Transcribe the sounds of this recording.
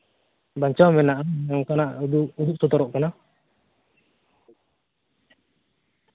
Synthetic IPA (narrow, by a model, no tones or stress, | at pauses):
baɲt͡ʃɔmɛnaʔaɛɔŋkanaʔdud̪uʔ̚sɔt̪ɔɾɔʔkana